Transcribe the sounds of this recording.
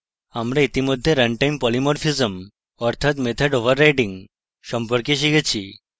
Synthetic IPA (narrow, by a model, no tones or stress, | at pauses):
amɾeit̪imɔd̪ʱːjeɾəɳʈajmpɔlimɔɾfizəm | ɔɾt̪ʰat̪met̪ʰəɖoʋəɾːajʈĩŋɡ | səmpəɾkeɕ̬iɡet͡ɕʰi